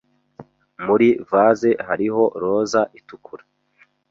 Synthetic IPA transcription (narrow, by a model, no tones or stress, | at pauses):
muɾivaːze̞haɾiɦo̞ɾo̞ːzaʔitukʰuɾḁ